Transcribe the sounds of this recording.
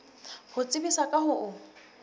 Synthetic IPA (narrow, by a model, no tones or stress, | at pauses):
hʊt͡sʼɪbisakʼahʊʔʊ